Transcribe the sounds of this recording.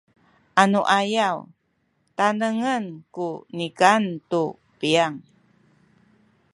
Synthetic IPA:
ʔanuʔajaw | tanəŋənkunikantu | piaŋ

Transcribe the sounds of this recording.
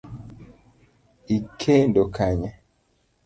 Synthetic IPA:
ikʰendokʰaɲa

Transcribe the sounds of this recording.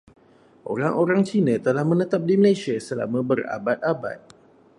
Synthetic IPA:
ʔo̰ɾaŋʔoɾaŋt͡ʃinə̃t̪əlahmə̃nət̪ap̚diməlasiasəla̰mə̃bəra̰bat̪̚aba̰t̪̚

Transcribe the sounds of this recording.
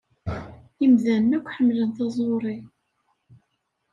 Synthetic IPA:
jəmðænːækʷːħəmːlənθɑzˤoɾˤi

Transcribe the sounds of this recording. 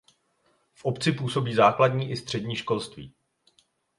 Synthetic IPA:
fʔopt͡sɪpuːso̞biːzaːkladɲiːʔɪst̪r̝̥ɛdɲiːʃko̞lst̪vḭː

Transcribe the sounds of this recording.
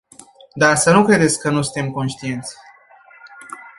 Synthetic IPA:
d̪asənukɾe̞d̪et̪sʲkənusɨnt̪e̞mko̞nʃt̪ient̪sʲ

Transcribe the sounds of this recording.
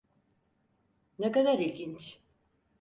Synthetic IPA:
nɛkad̪aɾilʲɟint͡ʃ

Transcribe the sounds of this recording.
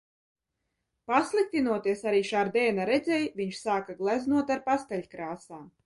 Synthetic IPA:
paslˠik̚t̪inuɔt̪iɛsaɾiːʃaːɾd̪ɛːnaɾɛd̪zʲɛjviɲʃsaːkaɡlˠæznuɔt̪aɾpast̪ɛʎʲkɾaːsaː

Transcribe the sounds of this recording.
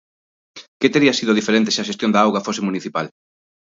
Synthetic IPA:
kɪt̪eɾiɐsiðʊðifeɾẽnt̪ɪseɐʃest̪jond̪aawɣɐfosɪmuniθipal

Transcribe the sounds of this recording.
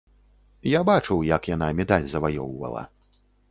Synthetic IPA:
jabat͡ʂɨwjɐkjan̪amʲɛd̪alʲzɐvajɔwvɐ̰lˠɐ̰

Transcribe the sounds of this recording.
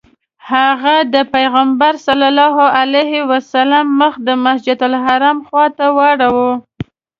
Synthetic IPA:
haɣad̪əpajɣambaɾsalɑlɑɦoalahewasalamːəxd̪əmasd͡ʒad̪ʊlɦaɾamxwɑt̪awaɽawu

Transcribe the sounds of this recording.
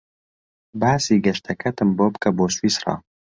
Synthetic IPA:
baːsiːɡɛʃt̪ʰɛkʰɛt̪ɨmboːbkɐboːswiːsrɑ̰ː

